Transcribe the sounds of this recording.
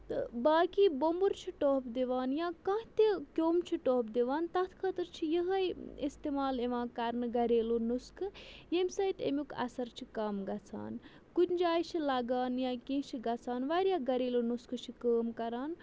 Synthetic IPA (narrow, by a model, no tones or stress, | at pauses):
t̪ɨbaːkiːbombuɾt͡ʃʰiʈoːpʰd̪eʋaːnjãːkãɦt̪ekʲoːmt͡ʃʰiʈoːp̚d̪eʋaːnt̪ɐt̪ʰkʰət̪ɨɾt͡ʃʰijiɦɐjist̪eːmaːleʋãːkɐɾnɨɡɐɾeːlonuskɨjemsɐjt̪ḛmʲukɐ̰sɐɾt͡ʃʰikɐmɡɐt͡sʰa̰ːn | kut̪d͡ʒaːjt͡ʃʰilaɡaːnjãːkẽːt͡ʃʰiɡɐt͡sʰaːnʋaɾʲjaːɡɐɾeːlonuskɨt͡ʃʰikəːmkɐɾaːn